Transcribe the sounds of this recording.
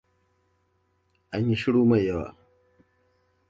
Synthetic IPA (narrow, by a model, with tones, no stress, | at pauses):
ʔa˨ɲji˦ʃi˦ɽuː˦ma˨ja˦wa̰˨